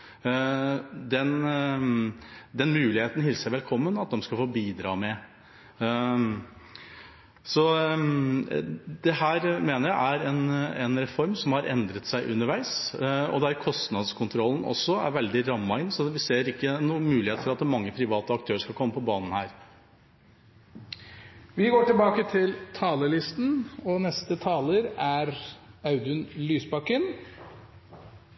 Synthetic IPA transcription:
d̪ɛn | d̪ɛnmʉːlɪheːt̪n̩ɦɪlsəʋɛlkʰɔmːənɑt̪̚d̪ɛmskɑfoːbiːd̪ɾɑ̰ːmɛ | sɔ | d̪̥ɛhæːɾmeːnəɾjæɪʔæɾɛnɛnɾɛfɔɾmsɔmhɑɾʔɛ̰nd̪ɾət̪sæɪʔʉnːəɾʋæɪsɔ̰d̪ɛæɾkʰɔst̪nɑd̪skʰʊnt̪ʰɾɔlːn̩ɔ̰sːɔæ̰ɾʋɛld̪ɪɾɑmːɑɪnːsɔʋɪseːɾɪkːənuːmʉːlɪheːt̪fɔɾɑt̪mɑŋːəpʰɾɪʋɑːt̪əɑk̚t̪ʰøːɾəʂkɑlkʰɔmːəpʰɔbɑːnn̩hæːɾ | ʋɪɡoːʈɪlbɑːkət̪ʰɪlt̪ʰɑːləɭɪst̪nɔnɛst̪ət̪ʰɑːləɾæɾɑʉd̪ʉnlyːsbɑkən

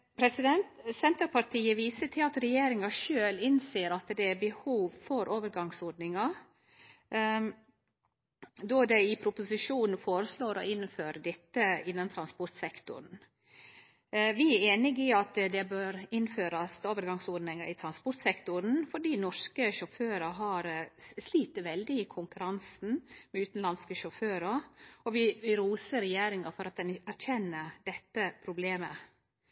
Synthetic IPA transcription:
pʰɾɛsɪd̪ɛnt̪sɛnt̪əɾpʰɑɾʈʰiːəʋiːsət̪ʰɪlɑt̪ɾɛjeːɾɪŋɑʂøːlɪnseːəɾɑt̪d̪ɛæbəhuːʋfɔɾʔoːʋəɾɡɑŋsɔɖnɪŋɑ | d̪ɔd̪ɛɪpʰɾʊpʊsɪʂuːnn̩foːɾəsloːɾɔ̰ɪnføːɾəd̪ɛt̪ːəɪnːɑnt̪ʰɾɑnspɔɾt̪sɛkt̪ʊ̰ɾɳn̩ | ʋɪæɾeːnɪɡɪɑt̪d̪ɛbøːɾɪnføːɾɑst̪oːʋəɾɡɑŋsɔːdnɪŋəɾɪt̪ʰɾɑnspɔɾt̪sɛkt̪ʊɾn̩fɔɖiːnɔʂkəʃɔføːɾəɦɑɾsliːt̪əʋɛld̪ɪɪkʰʊŋkʉɾɑnsn̩mɛʉːt̪n̩lɑnskəʃɔføːɾəɔʋɪʋɪɾuːsəɾɛjeːɾɪŋɑfɔɾɑt̪̚d̪ɛnæɾçʰɛnːəd̪ɛt̪ːəpʰɾʊbleːmə

